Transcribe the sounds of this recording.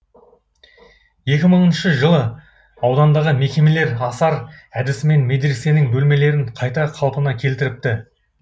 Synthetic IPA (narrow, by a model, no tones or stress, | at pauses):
je̞kʲɪməɴənʃəʒəlˠə | ɑwd̪ɑnd̪ɑʁəme̞kʲe̞me̞le̞ɾɑsɑɾæd̪ɪsɪme̞nme̞d̪ɾese̞nɪŋbɵlme̞le̞ɾɪɴqʰɑjt̪ɑqʰɑlˠpənɑkʲʰe̞lt̪ɪɾɪp̚t̪ɪ